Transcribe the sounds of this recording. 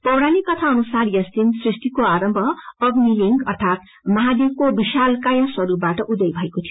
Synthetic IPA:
pʌwɽanikʌt̪ʰaʌnusarjʌst̪insrist̪ikoaɾʌmbʱʌːɡmiliŋɡʌrt̪ʰat̪ | mʌɦad̪ekobisalkajãswʌɾupbaʈʌʔud̪ʌjbʱʌekot̪ʰij

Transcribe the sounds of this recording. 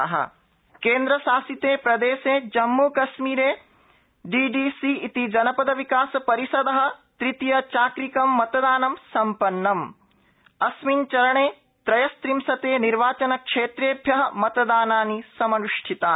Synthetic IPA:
ɐɦɐ̰ | keːnd̪ɾɐsaːsit̪eːpɾɐd̪eːseːd͡ʒɐmːuːkɐʃmiːɾeː | ɖiːɖiːsiit̪id͡ʒɐnɐpɐd̪ɐʋikaːsɐpɐɾisɐd̪ɐɦɐ̆t̪ɾit̪ijɐt͡ʃaːkɾikɐmːɐt̪ɐd̪aːnɐmsɐmpɐnːɐm | ɐsmint͡ʃɐɾɐɳeː | t̪ɾɐjɐst̪ɾimsɐt̪eːniɾʋaːt͡ʃɐnɐkʂeːt̪ɾeːbʱjɐɦɐmɐt̪d̪aːnaːnisɐmɐɾuʂʈʰit̪aː

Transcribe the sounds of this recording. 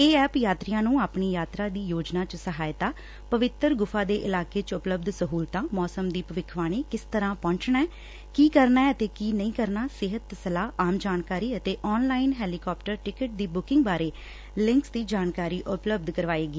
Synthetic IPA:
eːɛːpjaːt̪ɾɪjãːnũːaːpɳiːjaːt̪ɾaːd̪iːjoːd͡ʒnaːt͡ʃəsəɦaːjt̪aː | pəʋɪt̪ːəɾɡʊfʰaːd̪eːʔɪlaːkeːt͡ʃʊpləb̚d̪səɦuːlt̪ãːmɔːsəmd̪iːpəʋɪkʰʋaːɽ̃iːkɪst̪əɾãːpɔ̃ːɲt͡ʃnaɛː | kiːkəɾnaːɛːət̪eːkiːnəĩːkəɾnaːsɪɦət̪ːsəlaːaːmd͡ʒaːnkaːɾiːət̪eːʔɔːnlaːɪnɦɛːliːkɔːpʈəɾʈɪkəʈ̚d̪iːbʊkɪ̃ŋɡbaːɾeː | lɪŋksd̪iːd͡ʒaːnkaːɾiːʔʊpləbd̪kəɾʋaːeːɡiː

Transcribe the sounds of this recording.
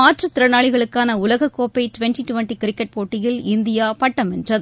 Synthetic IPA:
aːʈrɐt̪ːɪɾɐnaːɭɪɣɐɭɯkːaːnɐʊlɐɣɐkːoːpːɐɪʈʊʋɛnʈiʈʊʋɛnʈikɪɾɪkːɛʈ̚poːʈːɪjɪlɪnd̪ɪjaːpɐʈːɐmɛndrɐð

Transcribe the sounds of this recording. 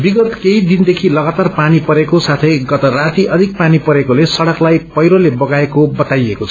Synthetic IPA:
biɡʌt̪keid̪ind̪ekʰilʌɡat̪arpanipʌɾekosat̪ʰʌjɡʌt̪ʌrat̪iʔʌd̪ʱik̚panipʌɾekolesʌɽʌklajpʌjɾolebʌɡaekobʌt̪ajekot͡sʰʌ

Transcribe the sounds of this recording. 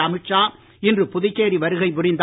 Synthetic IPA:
ɐmɪt͡ʃːaː | ɪndrɯpʊðɪkːeːɾiʋɐɾɯɣɐɪpʊrɪnd̪

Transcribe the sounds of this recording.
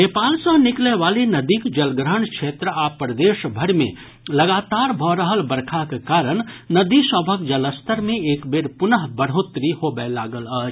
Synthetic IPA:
neːpaːlsə̃ɦnɪkleʋaːlenɐd̪ikd͡ʒɐlɡɾəɳkʃʰeːt̪ɾəaːpɾəd̪eːʃbʱəɾmḛ̃ | lɐɡaːt̪aːɾbʱɔɾəɦəlbəɾkʰakekaːɾəɽ̃nɐd̪isəbʱək̚d͡ʒələst̪ʰəɾmẽeːkbeːɾpʊnəɦbəɽ̤ɦoːt̪ɾihoːbəlaːɡəlaːd͡ʒ

